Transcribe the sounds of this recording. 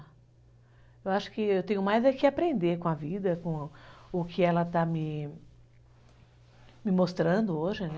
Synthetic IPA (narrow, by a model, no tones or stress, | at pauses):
ewaʃʊ̥kɪewt̪ẽjʊmajzɐkɪapɾẽnd̪eɾkõɐvid̪ɐkõʊkʰɪɛlɐt̪amɪ | mɪmost̪ɾɐ̃nd̪ʊoʒɪnɛ